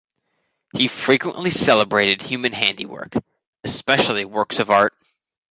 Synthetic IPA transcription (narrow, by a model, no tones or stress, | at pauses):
hifɹikwə̰̃nʔlisɛlˠəbɹeɪɾɨd̚hjʉmɨ̃nɦæ̃ndḭwɜ̰˞k | ɨspɛʃl̩ˠiwɜ˞ksʌvɑɹt̚